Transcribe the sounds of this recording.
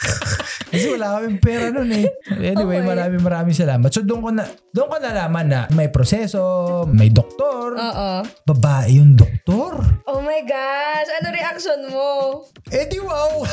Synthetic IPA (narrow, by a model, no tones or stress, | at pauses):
kɐs̬ɛwɐlaːkojʊŋpɛːɾɐnonɛʔɛnɪwejmɐɾaːmɪŋmɐɾaːmɪŋsɐlaːmɐt̪sod̪ʊŋkonɐ | d̪ʊŋkonɐlaːmɐnːɐmɐjpɾosɛːso̞mɐjd̪ok̚t̪oɾoːʔobɐbaːʔɪjʊŋd̪ok̚t̪oɾʔoːmɐjɡaʃɐnoŋɾɛʔɐk̚ʃonmo | ʔɛd̪ɪwaw